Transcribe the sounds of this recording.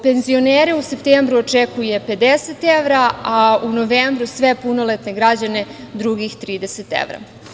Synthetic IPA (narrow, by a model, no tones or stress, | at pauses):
pe̞nzio̞neːɾeuse̞pt̪eːmbɾuot͡ʃekuje̞pe̞d̪eset̪eʋɾaauno̞ʋeːmbɾusʋe̞puno̞let̪neɡɾad͡ʑane̞ | d̪ɾuɡixt̪ɾiːd̪eset̪ḛʋɾa̰